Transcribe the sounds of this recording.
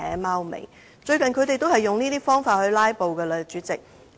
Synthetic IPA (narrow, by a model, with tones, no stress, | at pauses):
ɛː˨˥maː˥wmḛ˨˩j | t͡ʃɵ˧ɥkɐ˨nkʰɵ˨˧ɥt̪e˨jt̪o˥whɐ˨jʊ˨ŋniː˥t̪iː˥fɔː˥ŋfaː˧t̚hɵ˧ɥlaː˥jpo˨wkɛː˧lɛ˨˧t͡ʃyː˨˥t͡sɪ˨k̚